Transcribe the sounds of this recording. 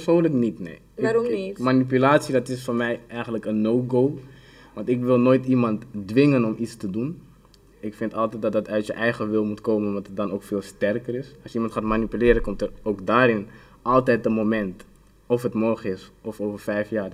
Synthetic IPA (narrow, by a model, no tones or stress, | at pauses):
psoːnləknitnḛj | ɪmanip̬ylaːtsidɑtɪsfʊɹmɛjɛjχəntləkənːoːɡoː | ʋɑ̃ntɪkʋɪlˠnoːjtimɑntdʋɪŋənɔmʔistədun | ɪkfɪntɑlˠtɛt̚dɑtdɑtœɥtjəʔɛjχəʋɪlˠmutkoːmənɔtət̚dɑnowkfɪːlˠstɛrkəɾɪsɑlsjəimɑntxaːtmanipylɪːɾəkɔmtəroːkdaːɾɪn | ʔɑlˠtɛjt̚dəmomɛnt | ɔfətmɔrχəɪsɔfoːvərfɛjfjaː